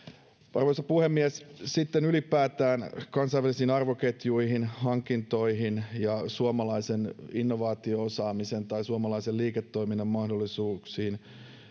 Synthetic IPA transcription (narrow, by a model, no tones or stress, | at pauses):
ɑ̰rʋoisɑpuhemːiɛssit̪ːenylipæːt̪æːnkɑnsɑjʋælisiːnɑrʋoket̪juihinhɑŋkint̪o̞iɦinjɑsuomɑlɑiseninːoʋɑːt̪ioosɑːmisent̪ɑisuɑmɑlɑiseliːket̪ːoiminːɑmmɑhdolːˑisuːksiːn